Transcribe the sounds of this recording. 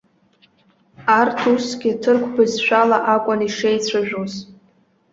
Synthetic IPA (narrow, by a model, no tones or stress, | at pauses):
artʰusɡʲɪtʰɨrkʷʰbɨzʃᶣalaʔakʷʼaniʂejt͡sʷʰaʒᶣoz